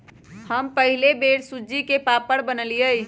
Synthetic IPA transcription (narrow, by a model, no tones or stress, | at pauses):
həmpəɦilebeːɽsud͡ʒikepapəɽbənəlijəj